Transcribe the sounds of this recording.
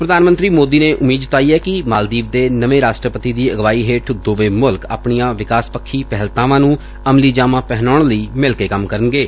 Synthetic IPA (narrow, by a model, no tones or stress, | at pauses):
pɾəd̪aːnmənt̪ɾiːmoːd̪iːneːʔʊmiːd̪t̪aːiːɛːkɪmaːld̪iːb̚d̪eːnəʋẽːɾaːsʈɾəpət̪iːd̪iːəɡʋaːiːɦeːʈʰd̪oːʋeːmʊlka̰ːpɳijãːʋɪkaːspəkʰːiːpɛɦəlt̪ãːʋãːnũː | əmliːd͡ʒaːmãːpɛɦnaːɳləiːmɪlkeːkəmkəɾənɡeː